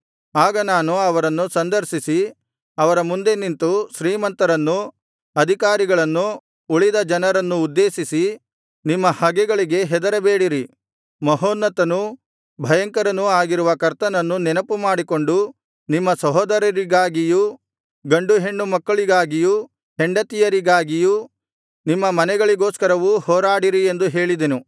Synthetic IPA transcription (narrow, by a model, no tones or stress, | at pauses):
aːɡɐnaːnuɐʋɐɾɐnːusɐnd̪ɐɾʃisi | ɐʋɐɾɐmund̪e̞nint̪uʃɾiːmɐnt̪ɐɾɐnːu | ɐd̪ʱikaːɾiɡɐɭɐnːu | uɭid̪ɐd͡ʒɐnɐɾɐnːuːd̪ːe̞ːʃisi | nimːɐhɐɡɛɡɐɭiɡe̞ɦɛd̪ɐɾɐbeːɽiɾi | mɐɦoːnːɐt̪ɐnu | bʱɐjɐŋkɐɾɐnuaːɡiɾuʋɐkɐɾt̪ɐnɐnːunɛnɐpumaːɽiko̞ɳɖu | nimːɐsɐɦoːd̪ɐɾɐɾiɡaːɡiju | ɡɐɳɖuɦe̞ɳːumɐkːɐɭiɡaːɡiju | heɳɖɐt̪ijɐɾiɡaːɡiju | nimːɐmɐnɛɡɐɭiɡo̞ːskɐɾɐʋuhoːɾaːɽiɾie̞nd̪uɦe̞ːɭid̪enu